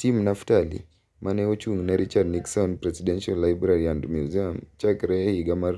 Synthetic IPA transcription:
timnaftalḭ | mʔanɛɔt͡ʃuŋnaɾit͡ʃadniksɔnpɾɛsidɛnʃalːajbɾaɾiandmjuziamt͡ʃakɾɛhiɡamaɾ

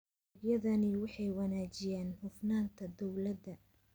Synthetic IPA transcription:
bjɐðɐnɪwɑħɑjwɑnaːt͡ʃɪjɛːnhʊfnaːnt̪ʰɐd̪ɔwlɐd̪ɐ

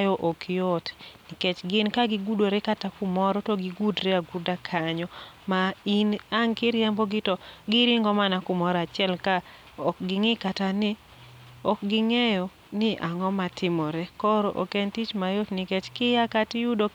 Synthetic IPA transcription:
jɔʔokʰɪjotnɪket͡ʃɡɪnkaɡɪɡudoɾekatakʊmɔɾɔtɔɡɪɡudɾeaɡudakʰaɲɔmainaŋkɪɾjɛmbɔɡɪtɔɡɪɾiŋɡɔmanakʊmɔɾat͡ʃɪɛlka | ɔkɡɪŋɪkatanɪ | ɔkɡɪŋɛjɔ | nɪʔaŋɔmatɪmɔɾɛkɔɾɔʔokɛntit͡ʃmajotnɪket͡ʃkɪjakatɪjudo

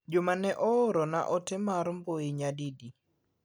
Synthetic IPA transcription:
d͡ʒʊmanɛʔɔoɾɔna̰ʔɔtɪmaɾmboɪɲadidi

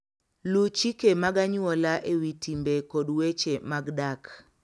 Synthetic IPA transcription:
lut͡ʃikemaɡaɲwɔlaʔewitimbekɔdwet͡ʃemaɡdak

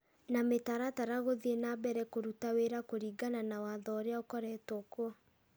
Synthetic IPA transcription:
nametaɾataɾaɣoðienabɛɾɛkoɾutaweɾakoɾiɡananawaðɔːɾeaokɔɾɛtɔkwɔ

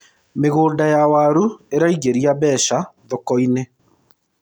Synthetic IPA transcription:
meɣoːndajawaɾueɾaiɣeɾiaβɛʃaðɔkɔine

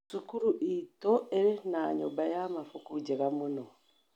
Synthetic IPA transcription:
sukuɾuʔitoeɾinaɲo̰bajamafukuɟeɣamuno

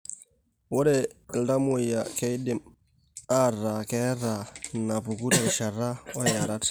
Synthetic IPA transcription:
wɔdɛldamujakejdim | aɾakɛɾanapukutaɾʃaɾaɔjaɾat

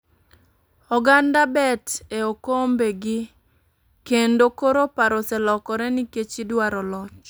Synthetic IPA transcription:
ɔɡandabɛteokombeɡɪ | kendokoɾopaɾosɛlɔkɔɾɛniket͡ʃidwaɾɔlɔt͡ʃ

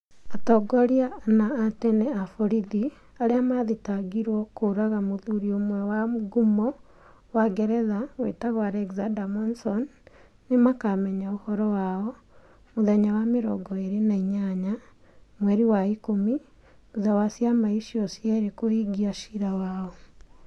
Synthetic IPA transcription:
atɔɡɔɾianaːtɛnɛafoɾiði | aɾeamaðitaɡiɾwɔkoɾaɣamoðuɾiomwɛwamɡumɔ | waɡɛɾɛðaɣwḛtaɣwaɾɛɡzandamɔnsɔnː | emakamɛɲaohɔɾɔwaɔ | moðɛɲawameɾɔ̰ɡɔeɾenaiɲaɲa | mwɛɾiwaikomi | uzawasjamaiʃiɔsjaɾekohiɡiaʃiɾawaɔ

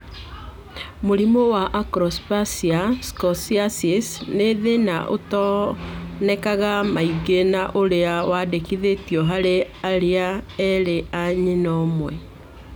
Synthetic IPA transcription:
moɾimowaʔakɾɔspasiaskɔsiasisneðenaʔo̰tɔ | nɛkaɣamaiɡenaʔoɾeawadekiðetiɔɦaɾeaɾeaɛɾeaɲinɔmwɛ

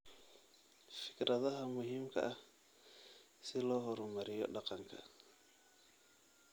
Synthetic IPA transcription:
fɪ̥kɾɐðɐɦɐmʊɦiːmkʰɐ̰ʔɐ | sɪlɔːɦɔɾɔmɐɾɪjɔ̰ɗɑqɑŋkʰɐ̰

